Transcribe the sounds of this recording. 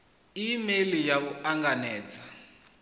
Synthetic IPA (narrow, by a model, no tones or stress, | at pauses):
imelijaβuaŋɡanɛːd͡za